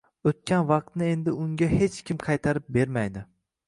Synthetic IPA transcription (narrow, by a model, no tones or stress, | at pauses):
ot̪̚kʲʰanvɑq̚t̪nɪe̞nd̪ɪʊŋɡʲahe̞t͡ʃkʲʰɪmqʰɑjt̪ʰaɾɪp̚be̞ɾmajd̪ɪ